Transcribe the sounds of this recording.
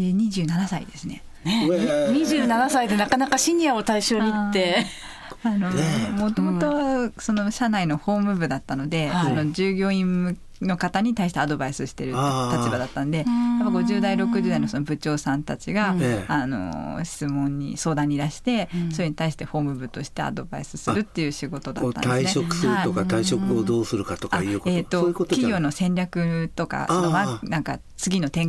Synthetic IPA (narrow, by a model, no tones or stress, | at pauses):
eɲ̟iʑɨːnanasaḭd̪esɨne̞̰ | ɲiʑɨːnanasaid̪enakanakaɕiɲ̟iao̞t̪aiɕo̞ːɲ̟iit̪ːe̞ | ano̞mo̞t̪o̞mo̞t̪o̞so̞no̞ɕanaino̞ho̞ːmɯ̟bɯ̟d̪at̪ːano̞d̪e̞sono̞d͡ʑɨːɡʲo̞ːĩɯ | no̞kat̪aɲ̟it̪aiɕi̥t̪ead̪o̞baisɨɕi̥t̪e̞ɾɯ̟t̪at͡ɕibad̪at̪ːanod̪e̞japːaɡo̞ʑɨːd̪aiɾo̞kɯ̟ʑɨːd̪aino̞sono̞bɯ̟t͡ɕo̞ːsãnt̪at͡ɕiɡaano̞̰ɕi̥t͡sɨmõ̞ɲ̟ːḭso̞ːd̪ãɲ̟ːiɾaɕi̥t̪e̞so̞ɾeɲ̟it̪aiɕi̥t̪e̞ho̞ːmɯ̟bɯ̟t̪o̞ɕi̥t̪e̞a̰d̪o̞ba̰isɨ̥sɨɾɯ̟t̪ːe̞jɯ̟ːɕiɡo̞t̪o̞d̪a̰t̪ːa̰naineokɯ̥sɨaɯiokat̪aiɕo̞kɯod̪oːsɨɾɯ̟kat̪okaiɯet̪ːokokʲiɡʲo̞ːno̞sẽ̞ɲʲɾʲakɯ̟t̪o̞ka̰onomanãŋka | t͡sɨɡʲino̞t̪ẽ̞ŋ